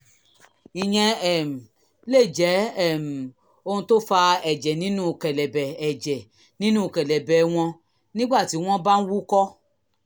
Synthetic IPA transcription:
i˨j̃ɛ̃˧ɛ˨m̩˨ | le˦˨d͡ʒɛ˨˦ɛ˦˨m̩˨ | o˧hũ˧to˦fa˧ɛ˨d͡ʒɛ˨nĩ˨˦nũ˦˨kɛ˨lɛ˨bɛ˨ɛ˨d͡ʒɛ˨ | nĩ˦nũ˦˨kɛ˨lɛ˨bɛ˨˦w̃ɔ̃˧ | nĩ˦ɡ͡ba˦˨ti˨˦w̃ɔ̃˦ba˦n̩˦wu˦kɔ˦

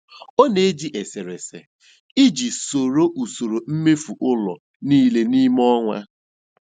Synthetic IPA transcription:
o˦ne˨e˦d͡ʒi˦ʔe˨se˨ɾe˨sḛ˨ | i˦d͡ʒi˨so˨ɾo˦ʔu˨so˨ɾo˨m̩˦me˦fu˨ʔʊ˦lɔ̰˨ | niː˦le˦ni˦m˦ɔ˦ŋʷa̰˦

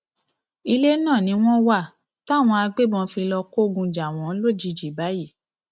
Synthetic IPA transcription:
i˧le˦nãː˦˨nĩ˨˧˦w̃ɔ̃˦wa˦˨ | ta˦˨w̃ɔ̃˧a˧ɡ͡be˦˨bɔ̃˧fĩ˧lɔ˧ko˦˨ɡũ˧d͡ʒa˨w̃ɔ̃˨˦lo˦˨d͡ʒi˨˧˦d͡ʒi˨ba˨˦ji˦˨

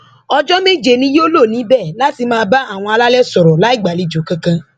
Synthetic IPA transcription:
ɔ˧d͡ʒɔ˦me˦d͡ʒe˨nĩ˨˦jo˦lo˦˨nĩ˨˦bɛ˦˨la˦ti˧mãː˦˧ba˦a˦˨w̃ɔ̃˧a˧la˦lɛ˦sɔ˨ɾɔ˨la˨˦i˦˨ɡ͡ba˨li˨˧d͡ʒo˨kã˧kã˧

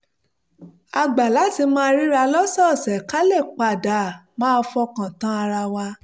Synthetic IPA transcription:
a˧ɡ͡ba˨la˨˦ti˧mãː˦ɾi˦ɾa˧lɔ˦sɔ˦˨sɛ˨ka˦lɛ˦˨k͡pa˧˨da˨mãː˦˧fɔ˧kã˨tã˨˦a˧ɾa˧wa˧

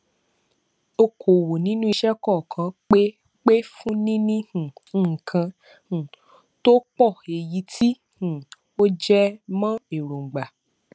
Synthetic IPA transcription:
o˧kʰo˨wo˨nĩ˦nũ˦i˧ʃɛ˦kɔ˦˨kʰã˧˦k͡pe˦ | k͡pe˦fũ˦nĩ˦nĩ˦hũ˨˦ŋ̩˨kʰã˧ | hũ˨ | to˦k͡pɔ˦˨e˨ji˨˦tʰi˦ | hũ˨ | o˦d͡ʒɛ˦mã˦e˨ɾõ˨ŋ͡m̩˨ɡ͡ba˨

